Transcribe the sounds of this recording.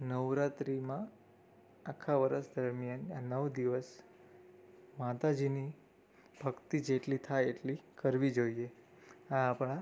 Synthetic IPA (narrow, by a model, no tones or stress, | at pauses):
nəʋɾat̪ɾimã | akʰːaʋəɾəsd̪əɾmjananəʋd̪iʋəs | mat̪ad͡ʒini | b̥ʱəɡt̪id͡ʒeʈlit̪ʰajeʈlikəɾʋid͡ʒoie | aːpɽ̃a